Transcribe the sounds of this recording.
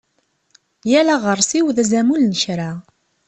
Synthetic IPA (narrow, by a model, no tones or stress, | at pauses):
jælaʁəɾˤsiwðæzæmulnəʃɾa